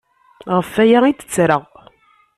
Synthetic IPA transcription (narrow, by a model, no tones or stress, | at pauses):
ʁəfæjæid̪ə̥t͡sːɾəʁ